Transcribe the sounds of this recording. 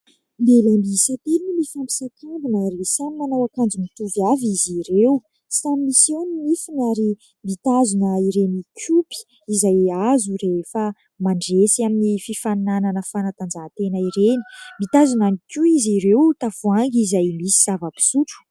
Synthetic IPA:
nb̪elambiisat̪elnimifampi̥sakambunaɾisamimanawakand͡zumit̪uvaviziɾew | samimisewninifinaɾi | mit̪azunəiɾenikʰupi̥ | izajazuɾefə | maɳɖ͡ʐesiaminififannananəfanat̪and͡zat̪enəiɾeni̥mit̪azunanikʲuiziɾewt̪afuaŋɡizajmisiz̥avəpi̥suʈ͡ʂu̥

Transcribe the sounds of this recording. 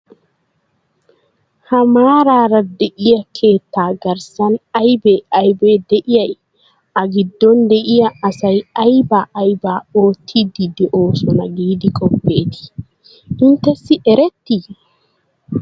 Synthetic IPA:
hɐmaːɾaːɾɐd̪ɛʔɪjɐkʰeːt̪ːaːɡɐɾsɐnajbɛɐjbɛd̪ɛʔɪjɐj | ʔɐɡɪd̪ːɔnd̪ɛʔɪjaːsɐjajbaʔːjbaːoːt̪ʰːid̪id̪ɛʔoːsɔnɐɡiːd̪ɪkʼɔpːeːt̪i̥ | ʔɪnt̪ɛsːiʔɛɾɛt̪ːi

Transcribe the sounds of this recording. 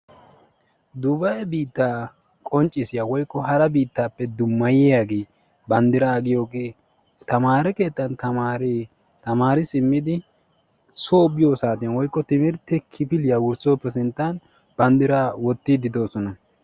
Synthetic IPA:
d̪ʊbɐjbiːt̪ːaː | kʼɔnt͡ʃʼːɪsɪjawɔjkːɔhɐɾɐbiːt̪ːaːpːɛd̪ʊmːɐjɪjaːɡe̞ː | bɐnd̪ɪɾaɐɡɪjo̞ːɡeː | t̪ɐmaːɾɛke̞ːt̪ːɐnt̪ɐmaːɾeː | t̪ɐmaːɾɪsɪmːɪd̪ɪ | soːbɪjo̞ːsaːt̪̬ɪjanwɔjkːɔt̪ɪmɪɾt̪ːɛkʰɪpɪlɪjaːwʊɾso̞ːpːɛs̬ɪnt̪ːɐn | b̥ɐnd̪ɪɾaːwɔt̪ːɪd̪ɪd̪o̞ːsɔnɐ

